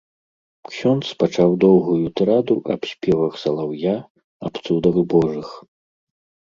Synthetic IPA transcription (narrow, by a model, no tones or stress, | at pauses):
ksʲɔnt̪spat͡ʂawd̪ɔwɣujut̪ɾad̪uʔɐ̰psʲpʲɛvɐxsɐlˠawja | ɐ̰pt̪sud̪ɐɣbɔʐɨx